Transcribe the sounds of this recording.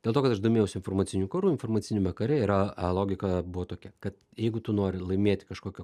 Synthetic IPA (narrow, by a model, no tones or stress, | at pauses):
d̥ʲelˠt̪oːkɐt̪ɐʃd̪oːmʲeːjɛʊsɪnformɐtt͡s̪ʲɪnʲuːkɐɾuːɪnformɐːtt͡s̪ʲɪnʲuːmʲɛkɐɾʲɛɪɾɐɐlˠoːɡʲɪkɐbʊʋoːt̪oːkʲɛkɐt̪ | jɛɪɡʊt̪ʊnoːɾʲɪlˠɐɪmʲeːt̪ʲɪkɐʃkoːkʲɛ